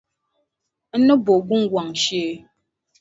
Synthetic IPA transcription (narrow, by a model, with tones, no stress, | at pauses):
n̩˦nə˦bo˨ɡu˦ŋ˦ɡwa˨ŋ˨ʃe˦